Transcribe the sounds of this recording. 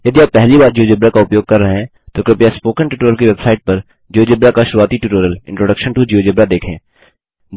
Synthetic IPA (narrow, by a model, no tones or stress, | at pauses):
jɐd̪iaːpːɛɦlibaːɾd͡ʒiod͡ʒɪbɾakaʊpjoːɡ̚kɐɾːɐɦeɦ | t̪oːkɾɪpjaspoːkə̃nʈuːʈoːɾəlkiʋebsaːɪʈ̚pɐɾ | d͡ʒioːd͡ʒɪbɾakaʃʊɾuaːt̪iʈuʈoːɾəlɪ̃ɳʈɾoːɖɐkʃənʈud͡ʒiːoːd͡ʒɪbɾad̪eːkʰḛ̃ː